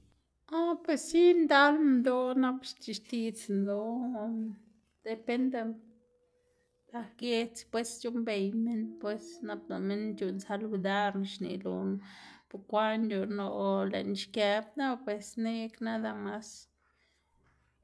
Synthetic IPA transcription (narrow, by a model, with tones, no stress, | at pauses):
a˦pwe˧sːi˦nd̪a˦lmnd̪o˦na˦bʃt̪i˧˨ʃt̪i˦˧t͡snd̪o˧˨ | d̪̥e˨pe˦nd̪e˧ | d̪a˧ɡe˧t͡spwe˦st͡ʃu˦mbe˨jme˦npwe˦sna˦b̚no˨me˦nt͡ʃu˨nsa˧lu˧d̪a˦ɾnʃnḭ˨lo˨npu˧kʷa˦nu˨no˧lḛ˨nʃkja˧b̚na˦pwe˨sne˦kna˦d̪a˧ma˧˦s